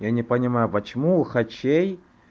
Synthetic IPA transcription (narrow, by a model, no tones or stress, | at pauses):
janʲɪpənʲɪmajʊpət͡ɕɪmuxɐt͡ɕʲej